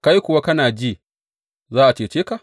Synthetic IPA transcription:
ka˦ji˦kʷʊ˨wa˦kɐ˦naː˨d͡ʒi˦˨ | zaː˦ʔa˨t͡ʃeː˨t͡ʃeː˦ka˨

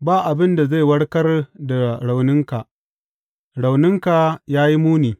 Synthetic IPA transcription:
baː˦ʔa˨bɪ˦nda˨za˦˨jwɐ˦ɽkɐ˦rda˨ɽa˨wnɪ˦ŋka˨ʔ | ɽa˨wnɪ˦ŋka˨jaː˦ji˦muː˦niː˨

